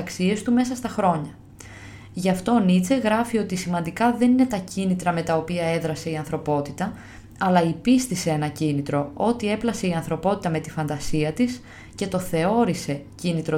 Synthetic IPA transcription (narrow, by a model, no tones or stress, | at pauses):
ksie̞st̪ume̞sɐst̪ɐxɾo̞ɲɐ | ʝɐft̪o̞nit͡se̞ɣɾɐfio̞t̪isimɐnd̪ikɐðe̞nine̞t̪ɐcinit̪ɾɐme̞t̪ɐo̞piɐe̞ðɾɐse̞iɐnθɾo̞po̞t̪it̪ɐ | ɐlɐipist̪ise̞enɐcinit̪ɾo̞o̞t̪ie̞plɐse̞iɐnθɾo̞po̞t̪i̥t̪ɐme̞t̪ifɐnd̪ɐsiɐt̪is | ce̞t̪o̞θe̞o̞ɾise̞cinit̪ɾo